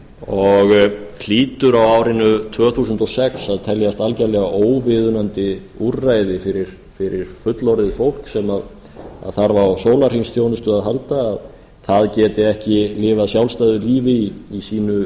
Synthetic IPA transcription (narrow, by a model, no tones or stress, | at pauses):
ɔɣl̥iːt̪ʏɾawawɾɪnːʏt̪ʰvœːθuːsʏnt̪ɔsɛksaðt̪ʰɛljast̪alcalɛːɣaʔoːwvɪðʏnant̪ɪ | urajðɪfɪɾɪɾ̥ | fɪɾɪɾ̥fʏt̪lɔɾðɪðfowl̥ksɛmað | a̰ðθaɾvawsoːwlar̥hinsθjoːwnʏst̪ʏaðɦalt̪aːð | θaðcɛːt̪ɪɛhcɪlɪːvaðsjawlst̪ajðʏɾliːvɪiisiːnʏ